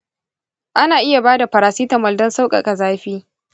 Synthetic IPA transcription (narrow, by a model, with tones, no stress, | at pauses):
ʔa˦naː˨ʔɪ˦ja˨baː˦da˨ɸɐ˨ɾaː˨siː˦tɐ˨mːɐ˨ldɐ˦nsa˦wkʼɐ̰˨kʼa˨zaː˦ɸiː˦